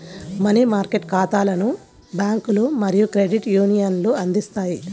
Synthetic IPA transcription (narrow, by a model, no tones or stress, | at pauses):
mɐnimaːɾkeʈkaːt̪aːlɐnu | bjaːŋkulomɐɾijukɾeɖiʈjuːnijɐnloːɐnd̪ist̪aːji